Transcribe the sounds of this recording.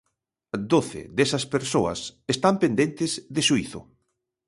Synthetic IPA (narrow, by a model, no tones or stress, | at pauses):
d̪oθɪ̰ðesɐspeɾsoɐ̰sest̪ampend̪ent̪ɪzðeʃuiθʊ̰